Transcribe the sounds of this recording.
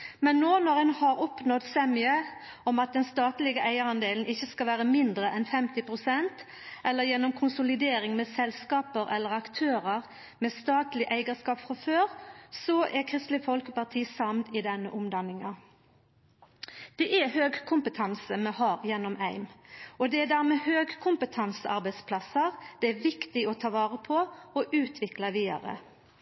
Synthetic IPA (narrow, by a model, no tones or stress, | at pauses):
mɛnːoːnɔʁɛnhɑɾɔpnɔt̪sɛmɪə | ɔmɑt̪̚d̪ɛnst̪ɑːt̪lɪɡəʔæɪəɾɑnd̪eːlən̩ɪçːəskɑʋæːʁəmɪnd̪ɾəʔɛnfɛmt̪ɪpʁʊsɛnt̪ | ʔɛlːəjɛnːɔmkʰʊnsʊlɪd̪eːɾɪŋmɛsɛlskɑːpəɾʔɛ̰lːəɾɑkt̪ʰøːɾəɾ | mɛst̪ɑːt̪lɪʔæɪɡəskɑːpfʁɑføːɾsɔʔɛkʰɾɪst̪ləfɔlkəpɑt̪ʰiːsɑmnɪd̪ɛnːəʔʊmd̪ɑnːɪŋɑ | d̪̥ɛʔɛhøːɡkʰʊmpət̪ʰɑnsəmɛhɑːɾjɛnːɔmæɪmʔɔd̪ɛæd̪æːɾmɛhøːɡkʰʊmpət̪ʰɑnsəʔɑɾbæɪd̪spʰlɑsəɾd̪̥ɛæʋɪkt̪ɪɔt̪ʰɑːʋɑːʁəpʰɔɔʔʉːt̪ʰʋɪklɑʋiːd̪ɑ̰ɾə̰